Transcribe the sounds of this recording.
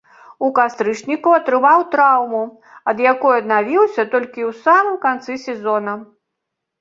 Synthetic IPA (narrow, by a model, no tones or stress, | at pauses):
ukast̪ɾɨt͡ʂnʲikuɐt̪ɾɨvawt̪ɾawmu | ɐd̪jakɔjɐd̪navʲiwsʲɐt̪ɔlʲkʲiwsamɨmkant̪sɨsʲɛzɔnɐ